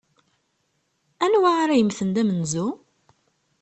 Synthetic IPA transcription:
ænwaɾæjəmθənd̪æmənzu

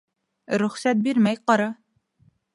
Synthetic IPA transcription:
ɾɵ̆χsæt̪̚beɾmæjqɑɾɑ

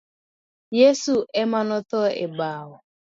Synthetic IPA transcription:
jesuemanʊtɔɪ̰ɡ͡baɦʊ

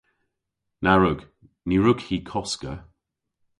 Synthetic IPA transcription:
naɹʊɡ | niɹʊɡhiːkʰɔskə̰

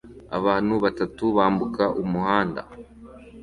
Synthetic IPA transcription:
a̰βaːn̥huβatatuβaːmbukaʔumuhaːnda̰

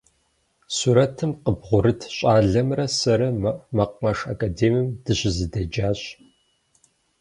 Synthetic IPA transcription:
suːɾɐtʰɨmqəbʁʷʊɾɨtʰɕʼaːɮɐmrɐsɐɾɐmɐq̚ʼmɐʂɐkʰʼadeːmmdɨɕɪzɨdɐd͡ʒaːɕ

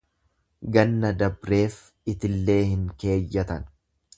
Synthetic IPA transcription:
ɡɐnːɐd̪ɐbɾe̞ːf | ɪt̪ɪlːe̞ːhɪŋke̞ːjːɐt̪ɐn

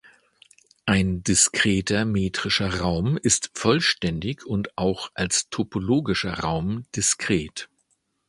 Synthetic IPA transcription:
ʔaɪndɪskʁ̥eːtɐmeːtʁ̥ɪʃɐʁaʊmɪstfɔlʃtɛndɪçʊntʔaʊxʔalstʰopʰoloːɡɪʃɐ̰ʁaʊmd̥ɪskʁ̥eːt

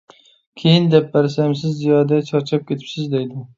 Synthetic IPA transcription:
kʲʰejɪnd̪ɛp̚baɾsams̬ɪzːijɒd̪at͡ʃʰɒɾt͡ʃʰɑp̚kʲʰet̪ʰɪ̥psɪzd̪ejd̪ɪm

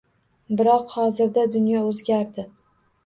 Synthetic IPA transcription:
bɪɾɒqhɒzɪɾd̪ad̪ʊnjɒɵzɡʲaɾd̪ɪ

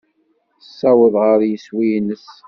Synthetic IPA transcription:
əsːæwəðˤʁəɾjəswijnəs

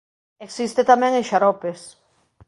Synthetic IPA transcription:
eksist̪et̪amɛ̃ŋẽʃaɾɔpes

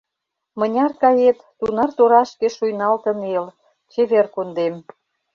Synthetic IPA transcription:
mə̆nʲɑrkɑjet̪ːunɑrt̪oɾɑʃkeʃujnɑlt̪ə̆nel | t͡ɕeβerkund̪em

